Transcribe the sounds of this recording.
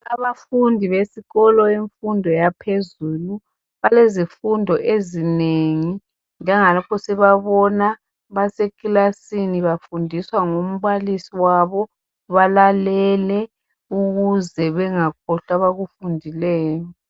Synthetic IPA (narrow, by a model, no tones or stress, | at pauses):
aβafundʱiβesiɣɔlɔeɱfundʱɔjapʰezuːlu | βalezifundʱɔʔezineŋi | nd͡ʒɛŋalɔkʰɔsɛβaβɔna | βasekʼilasiniβafundʱiswaŋom̩βalisiwaβɔ | βalalɛlɛ | uɣuzɛβɛŋakʰɔɬaβaɣufundʱilɛːjɔ